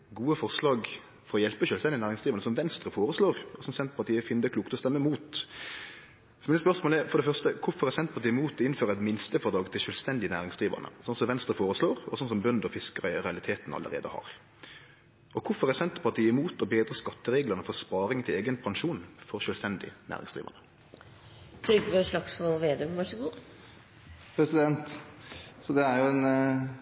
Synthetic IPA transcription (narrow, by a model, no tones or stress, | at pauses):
ɡuːəfɔʁslɑːɡ | fɔɾɔjɛlpəʃœlst̪ɛnd̪ənæːɾɪŋsd̪ʁiʋɑʁnəsɔmʋɛnst̪ʁəfoːɾəsloːʁɔsɔmsɛnt̪pʰɑɾʈ̪iːəfɪnəd̪əkʰluːkt̪ɔst̪ɛmːəmuːt̪ | smɪːnəspœʁsmoːlɛfɔɾd̪ɛfœʁst̪əkʰʊfɔɾʁɛsɛnt̪̚pʰɑʁt̪iːɪmuːt̪ɔɪnføːɾəɛt̪mɪnst̪əfɔʁd̪ɑːɡt̪ʰɪlʃœlst̪ɛnd̪ɪənæːɾɪŋsd̪̥ʁiːʋə̰nə̰sɔnsɔmʋɛnst̪ɾəfoːɾəsloːɾɔsɔnsɔmbœnd̪ɔfɪskəʁɑɾɛɑlɪt̪ʰeːt̪nɑ̰lə̰ɾḛːd̪ə̰hɑ̰ɾ | ʔɔkʰʊfɔɾɛsɛnt̪pʰɑt̪ʰiːɪmuːt̪ɔbeːd̪ɾəskɑt̪ːəɾeːɡləʁnəfɔspɑːɾɪŋt̪ʰɪleːɡənpʰɑŋʂuːnfɔɾʃœːlst̪ɛnd̪ɪ̰næ̰ːʁɪ̰ŋsd̪ʁḭːʋə̰nə | t̪ʰɾʏɡʋəsɭɑksfɔʋeːd̪øːmʋɑʂəɡuː | pʰɾɛsɪd̪ɛnt̪ | sɔd̪ɛæɾjʊɛn